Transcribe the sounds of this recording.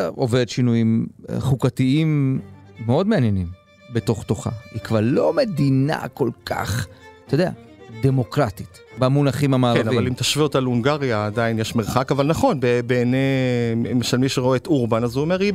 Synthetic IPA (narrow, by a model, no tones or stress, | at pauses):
ʔoveʁdt̪ʃinujimχukatiimː | eo̞d̪meanjenim | be̞to̞χt̪o̞χa̰ikvaʁlo̞me̞d̪ina̰ko̞lkʰa̰χt̪od̪ea̰ | d̪e̞mo̞kʁat̪it̪ | bamunaχimhamaaːʁeanavalimt̪aʃviotaluŋɡaʁjaːd̪ainjeʃmeʁχakavalnaχo̞nbebeːnemeʃalmiʃeʁoeet̪uʁbanazuomeʁi